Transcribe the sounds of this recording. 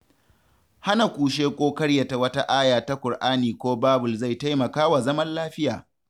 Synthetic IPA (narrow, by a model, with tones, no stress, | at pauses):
ha˦na˨kʷuː˨ʃ̬eː˦kʷʼoː˦kɐ˦ɽja˨ta˨wɐ˦ta˦ʔaː˦jaː˨ta˦kʷʊ˨rʔaː˦niː˨kʷoː˦baː˦bʊ˨lza˦˨jta˦jmɐ˨kaː˦wa˨zɐ˦mɐ˦nlaː˦ɸɪ˦jaː˨